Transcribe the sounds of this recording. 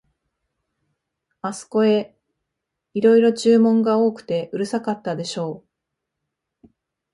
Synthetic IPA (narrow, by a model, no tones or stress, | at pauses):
asɨ̥ko̞e̞ | iɾo̞iɾo̞t͡ɕɨːmõ̞ŋɡao̞ːkɯ̟̥t̪e̞ʔɯ̟ɾɯ̟sakat̪ːad̪e̞ɕo̞ː